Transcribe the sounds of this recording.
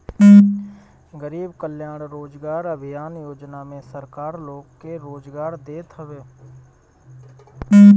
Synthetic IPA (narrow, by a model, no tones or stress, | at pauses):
ɡəɾiːbkəljaːɽ̃ɾoːd͡ʒɡaːɾəbʱɪjaːnjoːd͡ʒnamẽsəɾkaːɾloːɡkeɾoːd͡ʒɡaːɾd̪eːt̪ɦəʋeː